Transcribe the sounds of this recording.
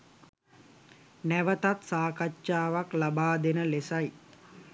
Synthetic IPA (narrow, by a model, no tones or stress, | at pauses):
næʋət̪at̪saːkat͡ʃːʃaːʋaklabaːd̪enəlesaj